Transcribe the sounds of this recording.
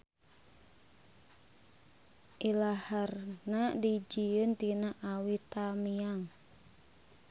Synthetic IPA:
ʔilaharnadid͡ʒiənt̪inaʔawit̪amiaŋ

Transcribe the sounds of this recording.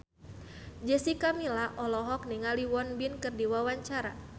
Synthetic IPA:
d͡ʒɛsikamilaʔɔlɔɦɔk̚niŋaliwɔnbinkɨrdiwawaɲt͡ʃaɾa

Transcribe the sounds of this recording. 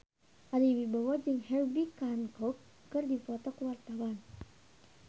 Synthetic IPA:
ʔaliwibawad͡ʒəŋhɛrbikankɔkː | ɨrdifɔt̪ɔkəwart̪awan

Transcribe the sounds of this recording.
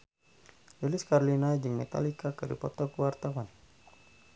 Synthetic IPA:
liliskaɾolinaɛd͡ʒɨŋmet̪a̰likakəlḭpɔt̪ɔkuwart̪awan

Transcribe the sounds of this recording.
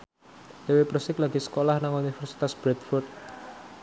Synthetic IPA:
d̪ewepɾəsɪklaɡ̥isə̥kolahnaŋunifɛrsi̥t̪asb̥ɾɛt̪fɔrt̪̚

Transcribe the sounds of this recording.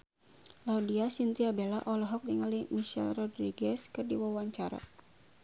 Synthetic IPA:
laudiasint̪iabelaʔɔlɔɦɔk̚diŋalimiʃɛ̰lrɔdɾiɡɛskɨrdiwawaɲt͡ʃaɾa̰

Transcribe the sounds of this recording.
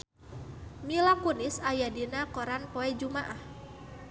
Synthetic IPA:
milakunɪsajadinakoɾanpoɛd͡ʒumaʔah

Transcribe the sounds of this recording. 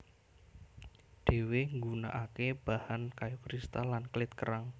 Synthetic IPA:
ɖ̥e̤weŋɡuna̰ʔakeb̥a̤hankajukɾist̪alanklɪt̪̚kəɾaŋ

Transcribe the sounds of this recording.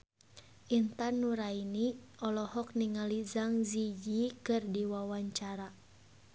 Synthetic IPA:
ʔint̪anːuɾainiʔɔlɔhɔk̚niŋalizaŋzid͡ʒikɨrdiwawaɲt͡ʃaɾa

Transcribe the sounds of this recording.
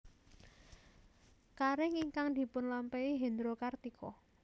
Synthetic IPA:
kaɾɪŋiŋkaŋd̪̥i̤pʊnlampɛiɦend̪ɾokart̪ikʰɔ̰

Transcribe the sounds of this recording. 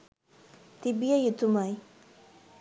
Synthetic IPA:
t̪ibijəjut̪umaj

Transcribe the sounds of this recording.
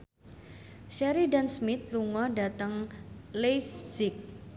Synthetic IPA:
ʃɛɾidansmɪt̪̚luŋɔda̤t̪əŋlefssɪk̚

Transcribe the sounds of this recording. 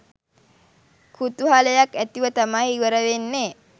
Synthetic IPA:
kʰut̪uɦaləjakæt̪iʋət̪amahiʋəɾəʋenːe

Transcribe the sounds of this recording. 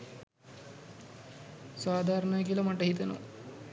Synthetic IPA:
saːd̪ʱaːɾɐɳajkilɐmɐʈːɐɦit̪ɐno̰

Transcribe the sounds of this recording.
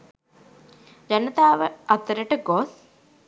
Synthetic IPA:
d͡ʒanət̪aːʋəʔat̪ːəɾəʈəɡos

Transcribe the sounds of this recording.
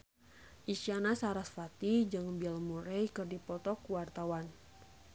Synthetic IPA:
ʔiʃianasaɾasfat̪id͡ʒɨŋbialmuɾɛjkɨrdipɔt̪ɔkuwart̪awan

